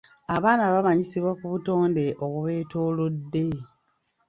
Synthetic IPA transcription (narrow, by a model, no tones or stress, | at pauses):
aβaːnaβamaɲisiβwakuβuto̞ːnde̞ʔoβuβe̞ːto̞ːlo̞dːe̞